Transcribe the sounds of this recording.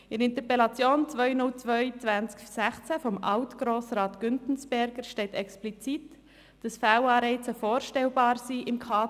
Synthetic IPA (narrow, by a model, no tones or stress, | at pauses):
ɪɾɪnt̪əpɛlɑt͡sjoːnt͡svœʏnʊlt͡sʋœʏt͡sʋænt͡sksæχt͡sæfɔmʔɑʊtɡ̥ɾoːsɾɑːtɡ̥ʏntn̩sb̥ɛɾɡəɾʃtɛɪtɛksplit͡sit | d̥ɑsfæwɑːɾɛɪt͡səfoːɾʃtɛlbɑːɾsiːʔɪmkʰɑː